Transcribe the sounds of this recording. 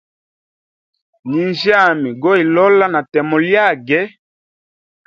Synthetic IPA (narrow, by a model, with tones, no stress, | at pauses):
li˨nd͡ʒa˦˨mi˨ɡɔ˦i˨lɔ˦la˦na˨tɛ˨mɔ˨lja˦˨ɡɛ˦